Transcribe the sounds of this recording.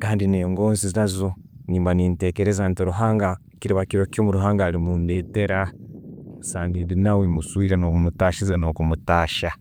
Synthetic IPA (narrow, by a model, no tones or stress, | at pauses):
kaːndineŋɡo̞ːnziziazoniːmbaniːnte̞keɾezantiɾuɦaːŋɡa | kiɾiβakiɾokjoːmuɾuɦaːŋɡaːlimundeːte̞ɾa | saːndidinawemusuiɾanokumutaːʃizano̞kumutaːʃa